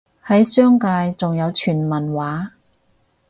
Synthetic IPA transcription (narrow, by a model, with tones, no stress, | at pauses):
hɐ˨˥jsœː˥ŋkaː˧jt͡sʊ˨ŋjɐ˨˧wt͡ʃʰyː˨˩nmɐ˨˩nwaː˨˥